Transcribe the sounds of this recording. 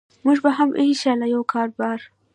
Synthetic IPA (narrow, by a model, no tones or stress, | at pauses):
muʒbaɦamʔeʃalajawkʰɑɾbɑɾ